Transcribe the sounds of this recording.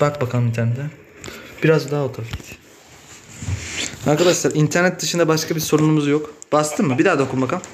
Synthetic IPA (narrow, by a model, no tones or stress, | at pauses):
bak̚bakʰanɯit̪ʰæɾnɛt̪d̪ʰɛ | b̥iɾazd̪aɦaot̪ʰafit̪ʰ | aɾkʰad̪aʃlˠaɾint̪ʰæɾnɛt̪̚d̪ɯʃɯnd̪abaʃkʰabiɾso̞ɾunumuzjokb̥ast̪ʰɯmmɯbid̪aːd̪aokʰumbakam